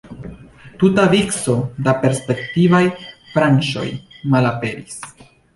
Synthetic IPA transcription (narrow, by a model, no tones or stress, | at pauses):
tutavikso̞dape̞ɾspe̞ktivajfɾant͡ʃo̞̰jmalape̞ɾis